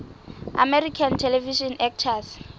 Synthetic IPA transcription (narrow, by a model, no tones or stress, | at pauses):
a̰mɛrikʰantʰɛlɛviʃɔnɛk̚tʰas